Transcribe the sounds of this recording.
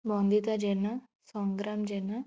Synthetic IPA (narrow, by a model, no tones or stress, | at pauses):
bɔ̃ːnd̪it̪ad͡ʒɛna | sɔ̃ːŋɡɾaːmd͡ʒɛːna